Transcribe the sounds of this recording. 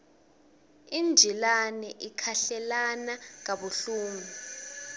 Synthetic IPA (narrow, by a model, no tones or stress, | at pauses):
ind͡ʒʱilanɛʔikʰaɬɛlanaŋ̬aɓuɬuːŋu